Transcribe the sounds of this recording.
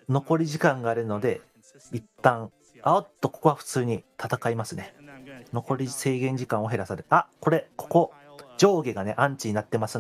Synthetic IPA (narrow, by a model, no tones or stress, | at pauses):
no̞ko̞ɾʲiʑikãŋɡaːɾɯ̟no̞d̪e̞ | it̪ːãŋ | aot̪ːokokoaɸɯ̟̥t͡sɨːɲ̟it̪ʰat̪akaimasɨne̞no̞ko̞ɾʲise̞ːɡẽ̞ɲ̟d͡ʑikãɰ̃o̞ɦe̞ɾasaɾɯ̟ako̞ɾe̞kʰo̞̥ko̞d͡ʑo̞ːɡeɡane̞ʔãɲ̟t͡ɕiɲ̟inat̪ːe̞masɨ